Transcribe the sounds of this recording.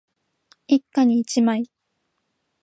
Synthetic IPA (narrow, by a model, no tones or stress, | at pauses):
ikːaɲ̟iːt͡ɕimai